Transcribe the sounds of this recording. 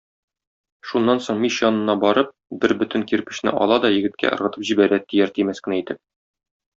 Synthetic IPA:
ʃunːɑnsoɴmiʃjɒnɤ̆nɑbɒɾɤp̚bɘɾbɵ̆t̪ɘ̆ŋkiɾpɘ̆ɕnɘ̰ʔɒ̰lˠɑd̪ɒjɘ̆ɡɘ̆t̪̚kʰæ̰ʔɤ̆ɾʁɤ̆t̪ɤpʑibæɾæt̪ːijæɾt̪imæskɘ̆næit̪ɘp̚

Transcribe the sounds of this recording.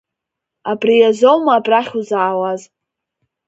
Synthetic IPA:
abrijazʷowmaːbraχʲuzaːwaz

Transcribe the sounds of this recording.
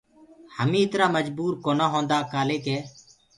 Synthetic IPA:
həmĩːɪt̪ɾaːməd͡ʒbuːɾkoːnaːɦõːnd̪aːkaːleːkeː

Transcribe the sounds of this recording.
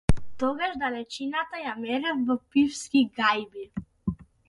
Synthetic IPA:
t̪ɔɡaʃd̪alɛt͡ʃinat̪ajamɛɾɛfvɔpifskiɡajbi

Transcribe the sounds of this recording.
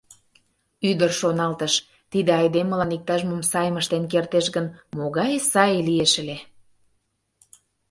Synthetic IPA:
yd̪ərʃonɑlt̪əʃ | t̪id̪ĕɑjd̪eməlɑnik̚t̪ɑʒmomsɑjməʃt̪enk̬ert̪eʃɡənmoɣɑjsɑjelieʃə̆le

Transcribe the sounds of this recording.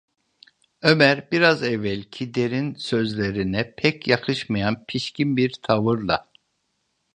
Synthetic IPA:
ømæɾbiɾazɛvːælʲcʰid̪eɾinsø̞zlʲeɾinɛpʰɛcʰjakʰɯʃmajanpʰiʃcinbiɾt̪ʰavɯɾlˠa̰

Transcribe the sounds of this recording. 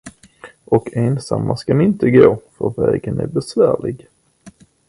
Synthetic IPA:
ʔɔkʰeːnsamːaskanɪnt̪əɡoːfœɾvɛːɡənæɾbɛsvæːɭɪɡ

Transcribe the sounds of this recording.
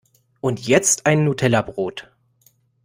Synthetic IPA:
ʔʊntʰjɛt͡stʔaɪnːutʰɛlɐbʁoːt

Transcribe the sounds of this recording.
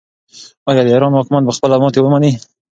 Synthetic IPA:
ɑjɑd̪əeɾɑnhɑkɪmat̪̚bəxpəlamɑt̪ewəmani

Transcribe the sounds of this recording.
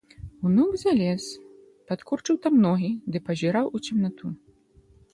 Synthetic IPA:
unuɡzalʲɛs | pat̪kurt͡ʂɨwt̪amnɔɣʲid̪ɨpɐzʲiɾawut͡sʲimnat̪u

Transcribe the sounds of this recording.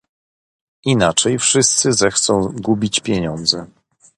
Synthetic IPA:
inat͡ʂɛjfʂɘst̪sɘzɛxt̪sɔ̃w̃ɡubʲit͡ɕpʲjɛɲɔnd̪zɛ

